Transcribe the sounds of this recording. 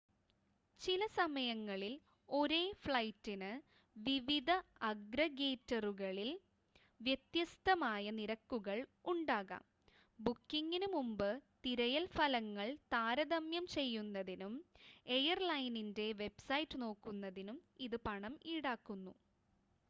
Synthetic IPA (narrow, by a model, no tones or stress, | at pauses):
t͡ɕilɐsɐmɐjɐŋːɐɭil | o̞ɾe̞ːfɭɐjtːinɨ | ʋiʋid̪ʱɐɐɡɾɐɡeːtːɐruɣɐɭil | ʋjet̪jɐst̪ɐmaːjɐniɾɐkːuɣɐɭuɳɖaːɣa̰ːm | bukːiŋːinumumbɨt̪iɾɐjɐlfɐlɐŋːɐɭt̪aːɾɐðɐmjɐmt͡ɕe̞jːunːɐðinume̞jɐrlɐjninde̞ʋe̞bsɐjtːɨno̞ːkːunːɐðinumiðɨpɐɳɐmiːɽaːkːunːu